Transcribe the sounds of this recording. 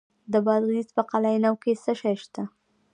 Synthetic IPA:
d̪əbɑd̪ɣizpəqalɑjnawkesəʃajʃt̪a

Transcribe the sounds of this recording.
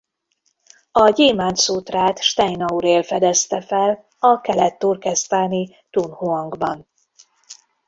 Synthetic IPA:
ɒɟeːmaːnt̪suːt̪raːt̪ʃt̪ɛjnɒuɾeːlfɛd̪ɛst̪ɛfɛl | ɒkɛlɛt̪ːurkɛst̪aːni | t̪unhuɒŋɡbɒn

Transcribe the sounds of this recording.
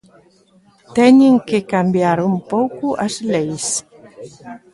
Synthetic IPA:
t̪ɛɲẽŋkekambjaɾumpowkuʔazlejs

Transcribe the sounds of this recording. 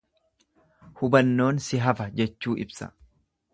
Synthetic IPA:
hʊbɐnːo̞ːnsɪɦɐfɐd͡ʒɛt͡ʃːuːʔɪbsɐ̥̰

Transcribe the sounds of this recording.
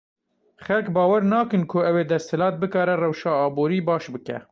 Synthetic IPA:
xɛlkbɑːwɛɾnɑːkɨnkʰʊɛweːd̪ɛst̪hɨlɑːt̪̚bɨkɑːɾɛrɛwʃɑːɑːbuːɾiːbɑːʃbɨkɛ̰

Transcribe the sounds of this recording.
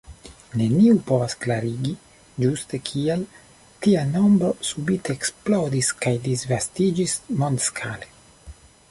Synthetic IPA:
ne̞niupo̞vasklaɾiɡi | d͡ʒuste̞kʰiel | tiano̞mbɾo̞subite̞ːksplo̞diskajdizvastid͡ʒismondskʰale

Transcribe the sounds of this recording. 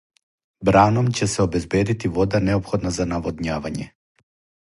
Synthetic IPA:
bɾanɔmcɛsɛɔbɛzbɛd̪it̪ivɔd̪anɛɔpxɔd̪nazanavɔd̪ɲavaɲɛ̰

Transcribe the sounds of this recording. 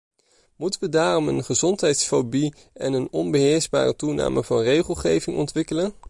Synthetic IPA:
mutəʋədaːrɔmənχəzɔntɦɛjtsfobi | ɛnənɔnbəɦɪːɹzba̰ːrətuna̰ːmʔəvɑnrejχəlˠχejvɪŋɔ̰ntʋɪkələn

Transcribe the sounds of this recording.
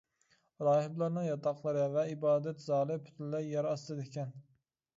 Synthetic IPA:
ɾɑːhɪblˠɑɾnɨŋjɑt̪ʰɑqlˠɨɾɨvɛibɑːd̪ɛt̪zɑːlˠɨpʰʊ̥t̪ʰnlɛjɑɾɑst̪ɨd̪ɪkʲʰɛn

